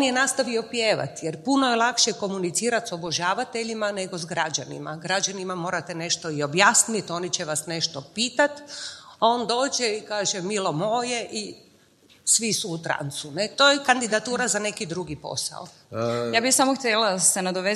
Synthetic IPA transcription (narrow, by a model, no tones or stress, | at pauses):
onjenaːst̪aʋio̞pjeːʋa̰t̪jeɾpunojelˠakʃeko̞munit̪siːɾat̪so̞boʒaːʋat̪eʎimane̞ɡozɡɾad͡ʒanḭma̰ɡɾad͡ʑanimamo̞ːɾat̪ene̞ʃt̪oio̞bjaːsnit̪o̞ːnit͡ɕeʋasneʃt̪o̞piːt̪at̪ao̞ːnd̪o̞ːd͡ʒeikaːʒemilo̞mo̞ːje̞ʔi | sʋisuːt̪ɾa̰nt̪sunet̪oːjekand̪id̪at̪uːɾazane̞kid̪ɾuɡipo̞̰sa̰o | jaːbisamoxt̪ʲjelasenad̪oʋe